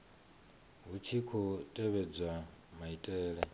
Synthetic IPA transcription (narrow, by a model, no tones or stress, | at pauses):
ɦut͡ʃʰikʰɔtʼɛβɛd͡zwamaitʼɛːɺɛ